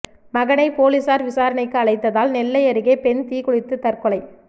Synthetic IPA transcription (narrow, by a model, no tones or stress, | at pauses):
mɐɣɐnɐɪpoːlisaːɾʋɪsaːɾɐɳɐɪkːɯɐɭɐɪt̪ːɐðaːlnɛlːɐɪɐɾɯɣeːpɛnt̪iːɣʊɻɪt̪ːɯt̪ɐɾkɯɭɐɪ